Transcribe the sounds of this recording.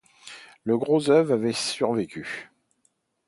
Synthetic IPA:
ləɡʁozœvʁavɛsyʁvekʲʰy

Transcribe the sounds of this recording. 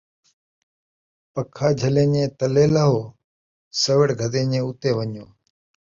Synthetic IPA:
pəkʰːaːd͡ʒʱəlẽːɲẽːt̪əleːləɦoː | səʋəɽɡʱəd̪ẽːɲẽːʊt̪eːʋəɲjõː

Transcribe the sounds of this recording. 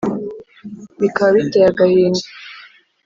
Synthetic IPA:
βikaβaβitejaɡahiːnda

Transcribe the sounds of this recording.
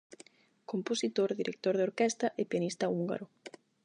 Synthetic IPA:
komposit̪oɾðiɾʔek̚t̪oɾðeoɾkɛst̪ɐʔepianist̪auŋɡa̰ɾo

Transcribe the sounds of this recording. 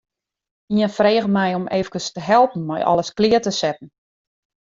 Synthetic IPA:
iənfreːɣəmɛjɔmeːvəkəstəɦɛlˠpn̩mɛ̰jʔɔ̰ləsklɪətəsɛt̚n̩

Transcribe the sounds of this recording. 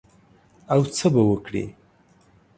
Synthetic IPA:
awt͡sʰəbawəkɽḭ

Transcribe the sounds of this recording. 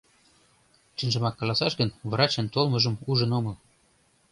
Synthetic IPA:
ʃinʒə̆mɑkːɑlɑsɑʃɣənβrɑt͡ɕə̆nt̪olmɤʒə̆muʒə̆nomɤ̆

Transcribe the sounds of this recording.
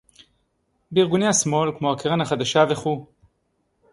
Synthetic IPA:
beiʁɡuneasmo̞lkmohakeʁanhaχad̪aʃaveχu

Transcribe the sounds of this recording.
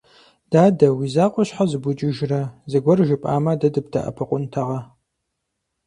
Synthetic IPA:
d̥aːdɐwizaːqʷʼɔɕħazɨbʷʊt͡ʃʼɪʒrɐzɨɡʷɔrʒɪpʼa̰ːmɐdɐdɨb̚dʰa̰ʔɐ̰pʰɨqʷʼʊntʰɐʁɐ

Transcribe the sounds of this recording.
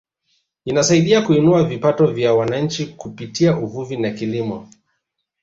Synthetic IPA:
inasaiɗiakuinuavipatɔvjawanaɲ̩t͡ʃikupitiauvuvinakilimɔ

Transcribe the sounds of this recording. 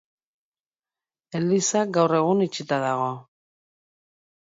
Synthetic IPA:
elisaɡawre̞ɣ̞unit͡ʃit̪aðaɣ̞o̞

